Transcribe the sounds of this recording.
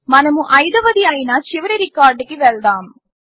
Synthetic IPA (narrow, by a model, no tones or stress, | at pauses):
mɐnɐmuʔɐjðɐʋɐðijaːjinaːt͡ʃɪʋɐɾɐɾɪkaːɾɖkːiʋɛɭd̪aːm